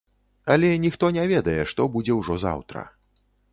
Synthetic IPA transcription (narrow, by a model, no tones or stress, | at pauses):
ɐlʲɛnʲixt̪ɔnʲɛvʲɛd̪ɐjɛʂt̪ɔbud͡zʲɛwʐɔza̰wt̪ɾɐ̰